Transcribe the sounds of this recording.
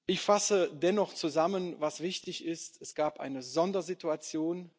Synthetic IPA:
ʔɪçfasədɛnɔχt͡suzamənvasv̥ɪçtɪçɪstɛsɡ̥aːpʔa̰ɪnəzɔndɐzituat͡sjoːn

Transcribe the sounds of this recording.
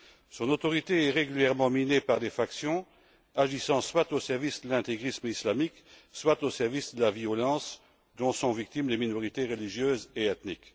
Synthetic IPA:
sɔ̃not̪ɔʁit̪eɛʁeɡʲyljɛʁmɑ̃minepaʁd̪efaksjɔ̃ | aʒisɑ̃swat̪osɛʁvisd̪əlɛ̃t̪eɡʁismislamikswat̪osɛʁvisd̪əlaviɔlɑ̃s | d̪ɔ̃sɔ̃vik̚t̪imleminɔʁit̪eʁəliʒjøːzeɛt̪nik

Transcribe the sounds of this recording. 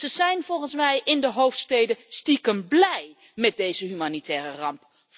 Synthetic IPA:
əzɛjnvɔlˠχənsmɛjʔɪndəɦowftstejdəstikənblɛj | mɛt̚dejzəɦymanitʰɛːrərɑmp

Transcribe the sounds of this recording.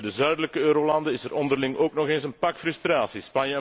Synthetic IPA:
dəzœɥdələkəøːɾoːlɑndəɪsɛɾʔɔndərlɪŋʔoːknɔxeːnsənpɑkfrʏst̪raːsispɑnjəɛ

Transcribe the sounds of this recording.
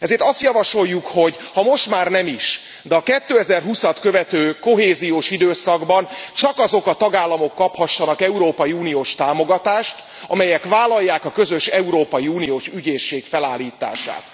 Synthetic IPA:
ɛzeːrt̪ɒst̪jɒvɒʃo̞jːukho̞ɟhɒmo̞ʃt̪maːrnɛmiʃ | d̪ɛɒkɛt̪ːøːɛzɛrɦusɒt̪køvɛt̪øːko̞ɦeːzijoːʃid̪øːsɒɡbɒnt͡ʃɒkɒzo̞kɒt̪ɒɡaːlːɒmo̞kːɒphɒʃːɒnɒkɛuɾoːpɒjiuːnijoːʃt̪aːmo̞ɡɒt̪aːʃt̪ | ɒ̰mɛjɛkʋaːlːɒjːaːkɒkø̞zø̞ʃɛuɾoːpɒjiuːnijoːʃyɟeːʃːeːkfɛlaːlːiːt̪a̰ːʃa̰ːt̪

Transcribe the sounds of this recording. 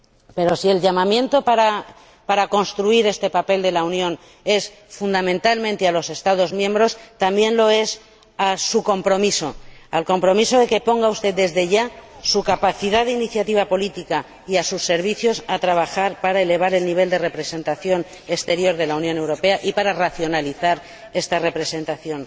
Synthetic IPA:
pe̞ɾo̞sie̞lʎamãmjẽ̞nt̪o̞paɾa | paɾako̞nst̪ɾuiɾe̞st̪e̞pape̞ld̪e̞launjõ̞n | e̞s | fund̪amẽnt̪almẽnt̪e̞alo̞se̞st̪aðo̞zmjẽ̞mbɾo̞st̪ambje̞nlo̞e̞s | asuko̞mpɾo̞miso̞alko̞mpɾo̞miso̞ðe̞ke̞po̞ŋɡaust̪e̞ðd̪e̞zðe̞ʎasukapaθiðaðeiniθjat̪iβ̞apo̞lit̪ika | iasusːe̞ɾβ̞iθjo̞sat̪ɾaβ̞axaɾpaɾaele̞β̞aɾe̞lniβ̞e̞ld̪e̞re̞pɾe̞se̞nt̪aθjo̞n | est̪e̞ɾjo̞ɾðe̞launjõ̞ne̞wɾo̞pe̞aʔipaɾaraθjo̞naliθaɾ | e̞st̪are̞pɾe̞se̞nt̪aθjo̞n

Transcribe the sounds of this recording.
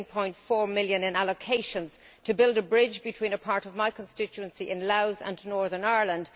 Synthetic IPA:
npʰɔ̃ɪ̃ntfɔːɹmɪljə̃nɪ̃naləkʰeɪʃə̃nz̥ | tʰəbɪlˠdəbɹɪd͡ʒbɨtʰw̥ĩːnəpʰaɹɾəvmaɪkʰə̃nstɪt͡ʃuə̃nsiʔɪ̃nlaʊzə̰̃nnɔɹðə˞naːɹlə̃nd̥

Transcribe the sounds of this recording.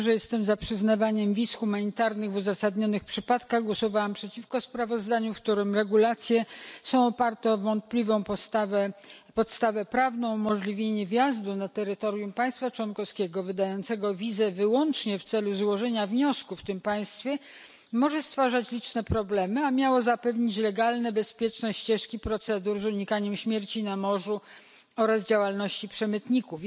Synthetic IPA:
ʐɛjɛst̪ɛmzapʂɘznavaɲɛmvʲisxumaɲit̪aɾnɘɣvuzasad̪ɲɔnɘxpʂɘpat̪kaɣɡwɔsɔvawampʂɛt͡ɕifkɔspɾavɔzd̪aɲufk̚t̪uɾɘmɾɛɡulat̪sʲjɛsɔ̃w̃ɔpaɾt̪ɛɔvɔnt̪̚plʲivɔ̃w̃pt̪vɛpɔt̪st̪avɛpɾavnɔ̃w̃mɔʐlʲivʲjeɲɛvʲjazd̪unat̪ɛɾɘt̪ɔɾjumpaj̃st̪fat͡ʂwɔnkɔskʲɛɡɔvɘd̪ajɔnt̪sɛɡɔvʲizɛvɘwɔnt͡ʂɲɛft̪sɛluzwɔʐɛɲavɲɔskufːt̪ɘmpaj̃st̪fʲjɛ | mɔʐɛst̪faʐat͡ɕlʲit͡ʂnɛpɾɔblɛmɘamʲjawɔzapɛvɲit͡ɕlɛɡalnɛbɛspʲjɛt͡ʂnɛɕt͡ɕɛʂkʲipɾɔt̪sɛd̪uɾzuɲikaɲɛmɕmʲjɛɾt͡ɕinamɔʐu | ɔɾazd͡ʑawalnɔɕt͡ɕipʂɛmɘt̪ɲikuf

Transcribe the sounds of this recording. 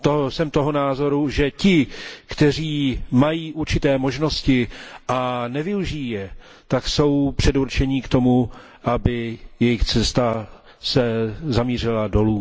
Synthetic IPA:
t̪osɛmt̪o̞ɦonaːzo̞ɾuʒɛcɪkt̪ɛr̝iːmajiːʔuɾt͡ʃɪt̪ɛːmo̞ʒno̞scɪʔanɛvɪuʒijijɛ | t̪akso̞wpr̥ɛduɾt͡ʃɛɲɪkt̪o̞mu | ʔabɪjɛjɪxt͡sɛst̪a | sɛzamiːr̝ɪlado̞luː

